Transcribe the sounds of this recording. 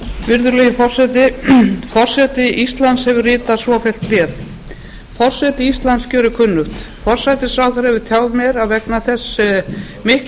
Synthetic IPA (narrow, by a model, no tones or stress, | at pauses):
vɪɾðʏɾlɛːjɪfɔr̥sɛt̪ɪfɔr̥sɛt̪ɪʔist̪lant̪shɛvʏrɪːt̪aðsvɔfjɛlt̪̚plɛːθ | fɔr̥sɛt̪ɪist̪lant̪scœːɾʏkʰʏnːʏht̪ | fɔr̥sajt̪ɪsaːwθaɾhɛvɪt̪ʰjaːwvmjɛɾaðvɛknaθɛsː | mɪhk